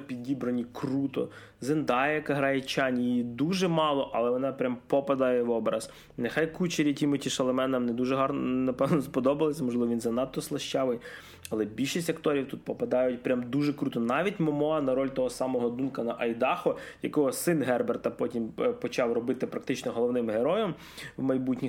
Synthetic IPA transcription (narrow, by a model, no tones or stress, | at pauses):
pʲid̪ʲibɾɐnʲikrut̪ɔ̰ | zend̪ɑjɛkɐɦɾɑjɛt͡ʃɑnʲijijid̪uʒɛmɑlˠɔʔɐlˠɛʋɔnɑpɾʲampɔpɐd̪ajɛʋɔbɾɐz̥ | nexɑjkut͡ʃeɾʲikʲimʊtʲiʃɐlˠɐmɛnɐmnɛd̪uʒɛɦɑrnnɐpɛwnɔspɔd̪ɔbɐlˠesʲɐmɔʒlˠɪʋɔʋʲinzɐnɑt̪ːɔslˠɐʃt͡ʃɑʋɪj | ɐlˠɛbʲilʲʃisʲtʲɐkt̪ɔɾʲiwt̪ut̪̚pɔpɐd̪ɑjʊt̚ʲpɾʲamd̪uʒɛkɾut̪ɔnɑʋʲitʲmɔmɔɑnɐɾɔlʲt̪ɔɦɔsɑmɔɦɔd̪unkɐnɐʔɐjd̪ɑxɔjɐkɔɦɔsɪnɦɛrbert̪ɐpɔtʲimpɔt͡ʃɑwrɔbɪt̪ɪpɾɐkt̪ɪt͡ʃnɔɦɔlˠɔwnɪmɦeɾɔjɐm | wmɐjbutʲnʲi